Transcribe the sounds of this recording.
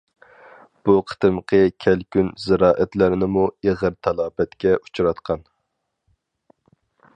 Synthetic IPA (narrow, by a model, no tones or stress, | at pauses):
b̥uqʰə̥t̪ɨmqʰəkʲʰælkʲynzɪɾɑːʔæt̪læɾnɪmueʁəɾt̪ʰɑlˠɑːbɛt̪kʲɛʔut͡ʃuɾɑt̪qʰɑn